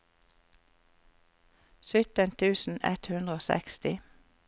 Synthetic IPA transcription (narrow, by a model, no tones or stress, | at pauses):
sʏt̪ənt̪ʰʉːsn̩ɛt̪hʉnd̪ʁəoːsɛ̰kst̪ɪ